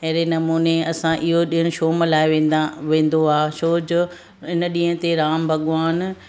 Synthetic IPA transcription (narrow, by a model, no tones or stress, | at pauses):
ɐɦɾenɐmuːneɐsãʔɪɦoɗiɦəɽ̃ʊʃoːməlaːɪʋẽːʋẽːn̆d̪oaːʃoːd͡ʑʊ | ɪnə̆ɗĩːɦə̃t̪eɾaːmbʱɐɠʋaːn